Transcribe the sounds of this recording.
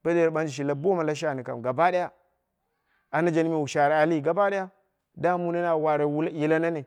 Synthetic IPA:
b̥a˦de˦˨ɓa˦n˦d͡ʒi˨ʃ̬i˨la˦bo˦ma˨la˦ʃ̬a˦˨ni˨ka̰˨mɡa˨ba˦ɗa˦ja˦ | a˨na˦d͡ʒa˨ni˦mi˨wu˨ʃa˨ɾa˨a˨li˦˨ɡa˨ba˦da˦ja˦ | da˦mu˦na˦na˨wa˨ɾa˨wu˦lji˨la˦na˦ne˨

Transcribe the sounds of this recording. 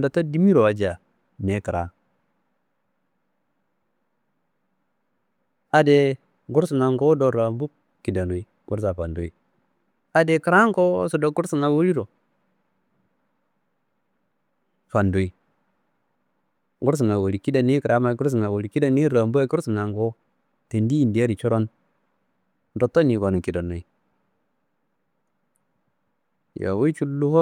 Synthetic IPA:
da˨ta˦di˦mi˦ɾo˨a˨d͡ʒa˨ | ne˨˦ki˨ɾʔa̰˦ | a˨de˨ | ɡu˦ɾsu˨ŋa˨ŋko˦do˨ɾa˨mbu˦ | ki˨da˨nu˨i˦ | ɡṵ˦ɾs̬a˨fa˨ndu˨˦i˦ | a˨de˨ki˨ɾa˦ŋ˦ko̰˦so˨do˨ɡu˦ɾsi˨ŋa˨wo˦ɾi˦ɾo˨ | fa˨ndo˨i˨ | ɡu˦ɾs̬i˨ŋa˨wo˨ɾi˨ki˦da˨ni˦kɾa˦ma˨˦ku˦ɾs̬i˨ŋa˨wo˨ɾi˨ki˦da˦ni˦ɾa˨mbu˦a˦ku˦ɾsi˨ŋa˨ŋko˦ | te˨ndi˦i˨ndi˨ja˦ɾi˨t͡ʃo˦ɾo˦n | do˨tːo˦ni˨ka˨nu˨ki˨da˨no˨i˨ | ja̰˨wo˦i˦t͡ʃu˦lːu˦ho˦

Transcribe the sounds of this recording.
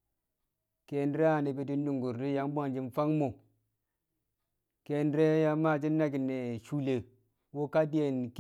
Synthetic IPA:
ke˨n˦ɾe˦a˦˨ni˨bi˨ti˦n˦du˨ŋɡu˨ɾdi˦ja˨m˦ba˦nd͡ʒi˨nfa˦ŋmo˨ | ke˨nɾe˦ja˨ma˦˨d͡ʒi˦nːa˦ki˨ne˨ʃu˦le˨ | wo˦ka˦di˦je˨nk

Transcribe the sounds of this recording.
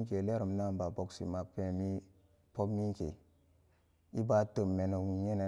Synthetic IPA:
ke˨le˦ɾu˨m˦na˦˨mba˨bo˨ksḭ˨ma˨pe˨mi˦ | po˦bmi˦kḛ˨ | i˦ba˦tə˨mːe˨no˨wi˨ɲe˦ne˨

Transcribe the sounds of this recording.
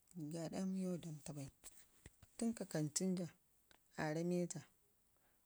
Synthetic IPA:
ɡa˨ɗa˦m˦jo˦˨da˨nta˨ba˨i˦ | tu˦ŋka˨ka˨nt͡ʃi˦n˦d͡ʒa˨ | a˨ɾa˦me˦d͡ʒa˨

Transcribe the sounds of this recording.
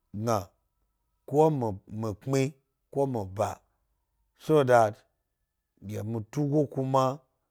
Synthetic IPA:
ɡa˨ | km˨mi˨k͡pi˦ | ko˦mi˨ba˨ | so˦˨da˨t | ɡʲa˨mu˨tu˦ɡo˦ku˦ma˦

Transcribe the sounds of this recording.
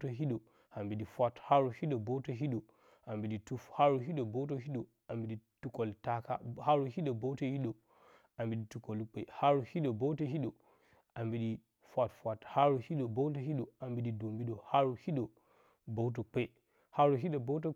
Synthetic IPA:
to˦ɦi˦ɗo˨ | a˨mbi˨ɗi˨fʷa˦tha˦ɾu˨hi˦ɗo˨bo˦wto˦ɦi˦ɗo˨ | a˨mbi˨ɗi˨tu˦fha˦ɾu˨ɦi˦ɗo˨bo˦wt̬o˦ɦi˦ɗo˨ | a˨mbi˨ɗi˨tu˦ko˨lta˦ka̰˦ha˦ɾu˨hi˦ɗo˨bo˦to˦ji˦ɗo˨ | a˨mbi˨ɗi˨tu˨˦ko˨lk͡pḛ˦˨ha˦ɾu˨hi˦ɗo˨bo˦wto˦ɦi˦ɗo˨ | a˨mbi˨ɗi˨ | fʷa˦˨tfʷa˨tha˦ɾu˨hi˦ɗo˨bo˦wt̬o˨ɦi˦ɗo˨a˨mbi˨ɗi˨do˨mbi˦ɗo˨ha˦ɾu˨hi˦ɗo˨ | bo˦wt̬o˨k͡pe˦ | ha˦ɾu˨ɦi˦ɗo˨bo˦t̬o˦

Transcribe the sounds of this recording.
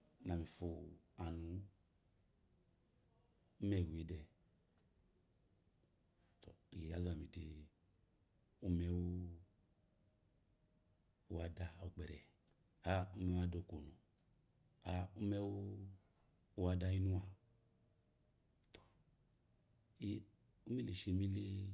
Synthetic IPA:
na˨mĩ˨fu˨a˨nu˨˦ | mɛ˨we˨˦dɛ˨ | ɡɛ˨a˦za˨mĩ˨ti˧ | u˦mɛ˦u˦ | u˦wa˧da˧ɔ˨k͡pɛ˨ɾɛ˨ | a˦u˦mɛ˧˦wa˧do˨˧˨ko˨nu˨ | a˦u˦mɛ˦wu˦ | u˦wa˧da˧i˦nu˦wa˦˨ | i˦ | u˦mi˦le˨ʃe˧˦mi˦le˦

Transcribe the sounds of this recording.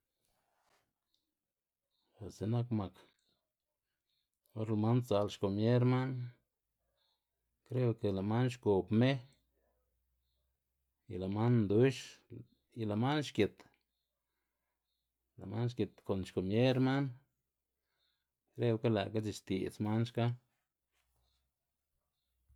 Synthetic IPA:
xa˨se˨na˦kma˨k | o˦ɾla˧ma˦nsa˧˨lʃko˨mje˦ɾma˦n | kɾe˦o˧ke˨la˨ma˦nʃko˨pme˦ | i˨la˨ma˦nnd̪u˦ʃ | i˨la˨ma˦nʃke˨t̪ | la̰˨ma˦nʃkʲe˨t̪ko˨nʃko˨mje˦ɾma˦n | ɾe˦wka˦la̰˨ka˦t͡ʃi˧˨ʃt̪ḭ˨sma˦nʃka˦

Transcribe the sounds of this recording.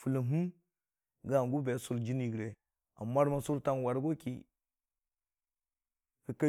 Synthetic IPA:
fu˨lə˨ɦu˦ | ɡa˦˨ɡu˦be˨˦su˦˨ld͡ʒi˦ni˨ɡɾe˨ | a̰˨mːa˦ɾma˦su˦ɾta˦nwa˨ɾɡo˦kḭ˨ | kə˨ka˦

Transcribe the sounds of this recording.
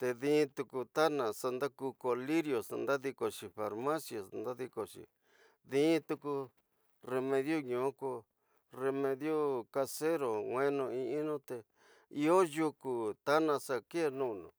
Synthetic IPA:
t̪e˧ðĩ˦˧t̪u˧ku˧t̪a˦nã˨sa˧nd̪a˦ku˧ko˧li˦ɾjo˨snd̪a˦ði˧ko˨ʂi˨fa˨˧ɾmã˦sja˨snd̪a˦ði˧ko˨ʃḭ˨˧ | ðĩː˦t̪u˧ku˧ | re˧mẽ˧ðjo˦ɲũ˨˦ko˧ | re˧mẽ˧ðjo˦ka˧se˦ɾo˨ŋʷwẽ˦nũ˧ĩ˧ĩ˦nũ˦t̪e˧ | i˧o˦ju˧ku˨t̪a˦nã˧sa˧ke˦˧nũ˦˨nṵ̃˨

